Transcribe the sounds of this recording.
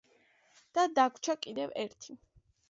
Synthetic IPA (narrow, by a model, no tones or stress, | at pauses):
d̪̥ad̪akʰt͡ʃʰakʼid̪ɛvɛɾt̪ʰi